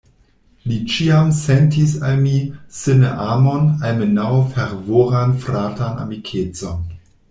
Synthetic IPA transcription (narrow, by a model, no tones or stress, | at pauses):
lit͡ʃiamsɛntisalmisɨnəʔaːmonalmenawfeɾvoːɾanfɾaːtana̰mikʰet͡son